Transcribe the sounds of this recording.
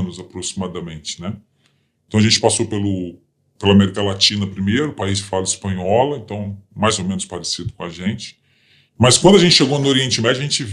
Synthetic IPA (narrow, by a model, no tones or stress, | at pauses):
nʊzapɾosimad̪ɐmẽnt͡ʃɪ̥nɛ | ẽt̪ɐ̃w̃ɐʒẽt͡ʃɪ̥pasopelʊ | pelɐamɛɾikɐlat͡ʃĩnɐpɾimejɾʊːpaizfalɐɪspɐ̃ɲɔlɐẽnt̪ɐ̃w̃majzowmẽnʊspaɾesid̪ʊkõaʒẽnt͡ʃɪ̥ | mɐskwɐ̃nd̪ɐʒẽt̪t͡ʃɪʃeɡownʊoɾiẽnt͡ʃɪmɛd͡ʒɐʒẽnt͡ʃɪv